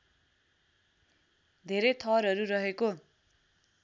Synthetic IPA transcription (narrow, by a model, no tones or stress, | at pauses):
d̪ʱeɾejt̪ʰʌɾɦʌɾuɾʌɦeko